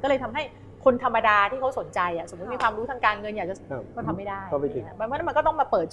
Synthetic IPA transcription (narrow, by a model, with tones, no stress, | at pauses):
kɔː˥˩ɤː˧t̪ʰa˧mɦa˥˩j | kʰo˧nt̪ʰa˧mːa˧daː˧t̪ʰiː˥˩a˦˥wso˩˦nt͡ɕa˧jʔa˨˩ʔso˩˦mu˦˥t̪̚miː˧kwaː˧mɾuː˦˥t̪ʰa˦˥kaː˧nŋɤ˧njaː˨˩t͡ɕa˨˩˧kɔː˥˩t̪ʰa˧mːa˥˩jdaː˥˩jɔ˥˩pa˧˩i˧˩bɔ˧nʰ˧˥n˦˥m˧nkɔː˥˩t̪ɔ˥˩maː˧pɤː˨˩t̪̚t͡ɕ